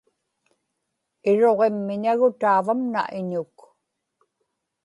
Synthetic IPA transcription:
ɪɻo̞ʁemːɪɲaɣʊt̪aːvamna̰ʔɪɲʊk

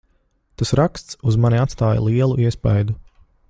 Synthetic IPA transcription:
t̪asɾakst̪suzmanʲiat̪st̪aːja̰lˠiɛlˠuʔiɛspajd̪u

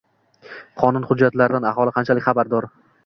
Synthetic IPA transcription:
qʰɒnʊnχʊd͡ʒːat̪laɾɪd̪anahɒlˠɪqʰɑnt͡ʃʰalɪkʲχɑbaɾd̪ɒɾ

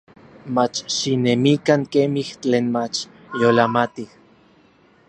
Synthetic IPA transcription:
mat͡ʃʃinemikaŋkemiht͡ɬeːnmat͡ʃ | jolamat̪ih

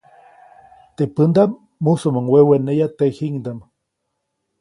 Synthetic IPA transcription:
t̪epɨnd̪am | musomaŋwewenejat̪ehiŋd̪am

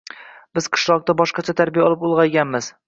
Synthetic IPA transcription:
bɪz̥qʰɨ̥ʃlˠɒq̚t̪abɒʃqɑt͡ʃʰat̪ʰaɾbijaɒlˠɪpolˠʁɑjɡʲanmɪz̥

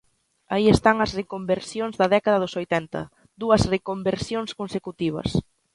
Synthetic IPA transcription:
aiest̪aŋɐzrekombeɾsjonzðɐðɛkaðɐðʊsojt̪ɛnt̪ɐ̰ | d̪uɐzrekombeɾsjoŋskonsekut̪iβ̞ɐ̰s

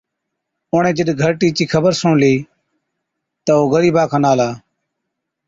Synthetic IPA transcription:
oːɳẽːd͡ʒəɗɡʱəɾʈiːt͡ʃiːkʰəbəɾsõːɳliː | t̪əoːɣəɾiːbaːkʰãːnaːlaː

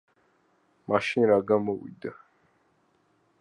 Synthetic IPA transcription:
maʃinɾaɡamɔwḭd̪a

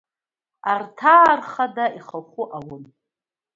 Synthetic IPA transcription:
artʰaːrχadaiχəχʷʊʔawʊn

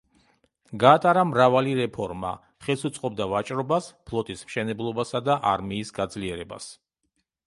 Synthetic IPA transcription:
ɡaːt̪ʼaɾamɾavaliɾɛpʰɔɾma̰ | χɛlˠsut̪sʼqʼɔb̚d̪avat͡ʃʼɾɔbaspʰlˠɔt̪ʼismʃɛnɛblˠɔbasad̪aʔaɾmiːsɡad̪zliɛɾɛba̰s

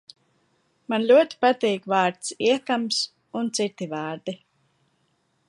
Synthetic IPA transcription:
manlʲuɔt̪i̥pat̪iːkvaːɾt̪siɛkams | unt̪sit̪ːivaːɾd̪i

